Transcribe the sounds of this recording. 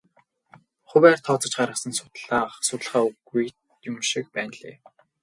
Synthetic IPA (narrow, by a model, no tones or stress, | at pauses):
χʊwæːrt̪ʰɔːt͡sə̆t͡ɕɢaɾʁə̆sə̆nsʊ̥t̪ɮaːχsʊt̪ə̆ɮχaːuɣujt̪ | jʊmʃĭk̚pæːnɮḛː